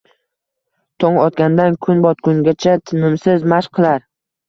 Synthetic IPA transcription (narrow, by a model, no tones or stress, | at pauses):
t̪ʰɒŋɒt̪kʲand̪ankʰʊnbɒt̪̚kʰʊŋɡʲat͡ʃʰat̪ʰɪmɪmsɪzmaʃqʰɨlˠaɾ